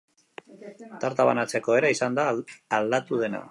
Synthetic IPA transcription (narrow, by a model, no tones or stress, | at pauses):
t̪aɾt̪aβa̰nat͡se̞ko̞e̞ɾaisand̪aːld̪at̪uð̞e̞na̰